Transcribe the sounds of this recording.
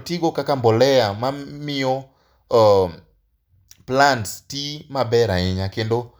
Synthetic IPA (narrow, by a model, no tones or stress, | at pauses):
tiɡokakambolɛamamiɔ | planttimabɛɾaɪɲakendo